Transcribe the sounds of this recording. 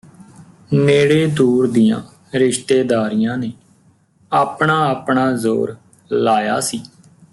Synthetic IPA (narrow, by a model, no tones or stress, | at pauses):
meːɽeːd̪uːɾd̪ɪjã̰ː | ɾɪʃt̪eːd̪aːɾɪjãːneː | aːpɳaːaːpɳaːzo̰ːɾ | laːja̰ːsiː